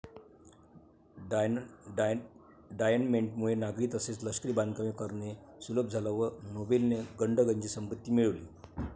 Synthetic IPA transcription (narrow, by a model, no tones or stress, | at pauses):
ɖajənmeɳʈmuɭenaɡɾiːt̪əset͡sləskɾiːband̪̚kəmekəɾnesuləp̚d͡zʱalaʋənobelneɡəɳɖəɡəɲt͡ɕiːsəmpət̪ːiːmiɭʋlḭː